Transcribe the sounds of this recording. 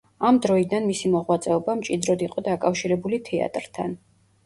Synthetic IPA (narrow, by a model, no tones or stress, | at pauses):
amd̪ɾɔid̪anmisimɔʁwat̪sʼɛɔbamt͡ʃʼid̪ɾɔd̪iqʼɔd̪akʼafʃiɾɛbulit̪ʰɛa̰t̪ʼɾt̪ʰan